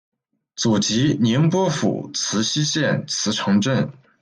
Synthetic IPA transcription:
t͡su˨˩t͡ɕi˧˥nɛ˧˥npwɔ˥fṵ˨˩t͡sʰɹ̩˧˥ɕi˥ɕjɛ˥˩nt͡sʰɹ̩˧˥ʈ͡ʂʰɤ˧˥ŋʈ͡ʂə˥˩n

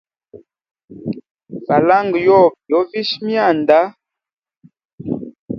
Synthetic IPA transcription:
fa˨la˦ŋɡjɔ˦˨pjɔ˨˦vi˦ʃmja˦˨n˨da˦

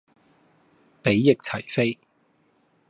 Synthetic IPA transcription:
pe˨˥jːɪ˨k̚t͡sʰɐ˨˩jfe˥j

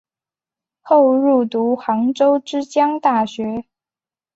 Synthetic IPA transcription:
xo˥˧ʊɻu˥˩t̪u˧˥xɑ˧˥ŋʈ͡ʂo˥ʊʈ͡ʂɻ̩˥t͡ɕjɑ˥ŋt̪a˥˩ɕɥɛ˧˥

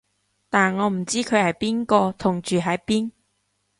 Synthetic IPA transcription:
t̪aː˨˩nŋɔː˨˧m̩˨˩t͡siː˥kʰɵ˨˧hɐ˨jpiː˥nkɔː˧t̪ʰʊ˨˩ŋt͡ʃyː˨˩ɦɐ˨˥jpiː˥n

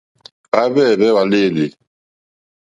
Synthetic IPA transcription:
a˨˦bɛ˦˨bɛ˦wa˨le˦˨le˨

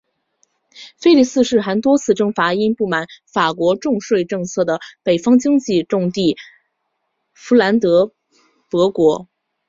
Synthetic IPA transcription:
fe˥ɪli˥˩sɹ̩˥˧ʂɻ̩˥˩xa˧˥nt̪wɔ˥t͡sʰɹ̩˥˩ʈ͡ʂɤ˥ŋfa˧˥i˥npu˥˩ma˨˩˦nfa˨˩kwɔ˧˥ʈ͡ʂʊ˥˧ŋʂwe˥˧ɪʈ͡ʂɤ˥˧ŋt͡sʰɤ˥˩d̪ə˩pe˨˩ɪfɑ˥ŋt͡ɕi˥ŋt͡ɕi˥˧ʈ͡ʂʊ˥˧ŋt̪i˥˩ | fu˧˥la˧˥nt̪ɤ˧˥ | pɤ˧˥kwɔ˧˥

